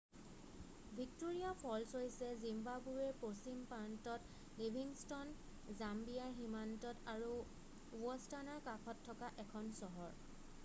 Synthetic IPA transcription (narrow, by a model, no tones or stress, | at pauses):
bʱik̚toɹijapʰɔlsojsɛzimbabuɛposimpantɔt | libʱiŋstɔn | zambijaɹɦimantɔtaɹu | wɔstanaɹkakʰɔtʰːɔkaʔɛkʰɔnsɔɦɔɹ